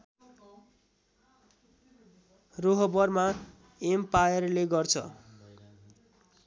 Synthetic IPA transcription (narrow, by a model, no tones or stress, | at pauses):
roɦʌbʌrma | empajʌrleɡʌrt͡sʰʌ̰